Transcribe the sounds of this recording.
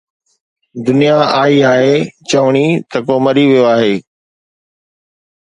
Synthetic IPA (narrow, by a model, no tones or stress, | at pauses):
d̪ʊnijaaːiaːɦeːt͡ɕɐʋɽ̃it̪ɐkoːmɐɾiʋijoaːɦeː